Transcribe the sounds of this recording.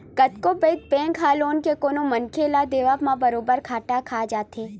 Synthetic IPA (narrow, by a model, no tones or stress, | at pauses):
kɐt̪kopeːt̪̚pẽːŋkʰaːloːnkekoːnõmɐnkʰelad̪eːʋamãbɐɾoːbəɾkʰaːʈakʰaːd͡ʒaːt̪ʰeː